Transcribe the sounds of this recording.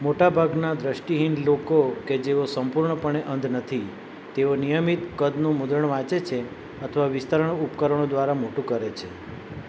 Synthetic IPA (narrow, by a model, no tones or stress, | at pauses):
moʈabʱaɡnad̪ɾəʃʈiɦinlokoked͡ʒeʋosəmpuɾɳəpəɳ̃eʔənd̪ʱnət̪ʰi | t̪eonijəmit̪kəd̪nũmʊd̪ɾəɳʋãt͡ʃet͡ʃʰe | ət̪ʰəʋaʋɪst̪əɾəɳupkəɾəɳ̃od̪ʋaɾamoʈũkəɾet͡ʃʰe